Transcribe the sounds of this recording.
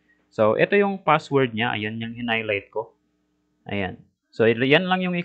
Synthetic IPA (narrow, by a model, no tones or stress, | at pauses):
soʔɛ̰t̪o̞jʊŋpaswɛɹd̪̚ɲaʔɐ̰jonɲaŋhɪnajlajt̪̚ko̞ | ʔɐ̰ja̰n | sojanlaŋjʊŋɪ